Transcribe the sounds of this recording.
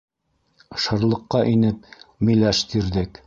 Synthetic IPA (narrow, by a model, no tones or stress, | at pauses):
ʃɤ̆ɾlˠɤ̆qːɑʔinɘp̚mɵ̆læʃt̪iɾðɘk